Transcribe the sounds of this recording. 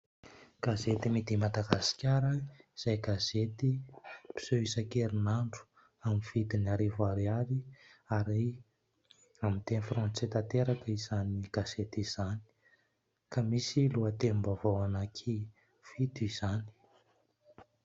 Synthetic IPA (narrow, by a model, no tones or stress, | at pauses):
ɡ̥azet̪imid̪imad̪aɡasi̥kʲaɾəiz̥ajɡazet̪ipi̥soisakeɾinaɳɖ͡ʐu̥ | amiv̥id̪inaɾivaɾiaɾiaɾi | amint̪enfrɔ̃nt͡set̪at̪eɾakəizaniɡ̥azet̪iz̥ani̥ | kamisiluat̪enmbavawanakʰi | v̥it̪uiz̥ani̥